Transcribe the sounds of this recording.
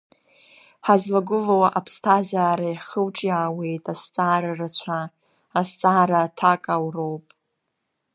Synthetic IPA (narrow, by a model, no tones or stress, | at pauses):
ħazlaɡʊlawaʔapʰstʰazaːɾajχəlʈ͡ʂʼjaːwe̞jtʼast͡sʼaːɾarat͡ɕʷʰaː | st͡sʼaːɾatʰakʼawro̞wpʼ